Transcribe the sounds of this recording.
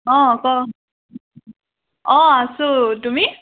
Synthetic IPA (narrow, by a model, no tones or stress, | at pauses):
ɔ̃kɔ | ɔ̃asotumi